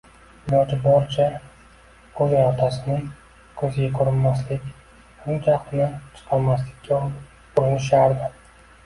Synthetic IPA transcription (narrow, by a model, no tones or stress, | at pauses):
bɒd͡ʒɪbɒɾt͡ʃʰa | kʰɵzɪɒt̪ʰasɪnɪŋ | kʰɵzɪɡʲakʰʊɾɪnmaslɪkʲ | hʊmd͡ʒʰaqt̪ɪnat͡ʃʰɨ̥qʰɑlmaslɪkʲːa | ʊɾɪnɪʃ̬aɾd̪ɪ